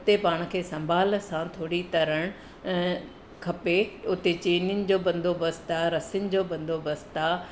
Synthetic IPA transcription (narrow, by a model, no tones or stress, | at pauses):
ʊt̪epaːɽ̃̆kʰeːsɐ̃mbʱaːlsãt̪ʰoːɽit̪ɐɾəɽ̃ | kʰɐpeʊt̪et͡ɕeːnənɪ̆d͡ʑoːbɐ̃nd̪ʱobɐst̪aɾɐsɪənɪ̆d͡ʑoːbɐ̃nd̪ʱobɐst̪a